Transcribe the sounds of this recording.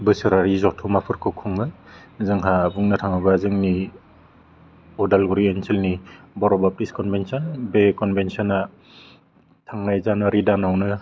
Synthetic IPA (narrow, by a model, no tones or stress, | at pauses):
bɯsɯɾaɾizɔtʰumapʰɯɾkʰɯkʰuŋlɯjzɯŋɦabuŋnɯtʰaŋɯbazɯŋni | ɔdalɡuɾiensʰelni | bɔɾɔbap̚tiskɔnbensɔnbekɔnbensɔna | tʰaŋnajzanaɾidanawnɯ